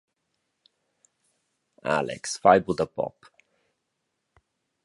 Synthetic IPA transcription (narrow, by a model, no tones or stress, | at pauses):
a̰lɪ̰ksfaɪbl̩ˠd̪əpɔ̰p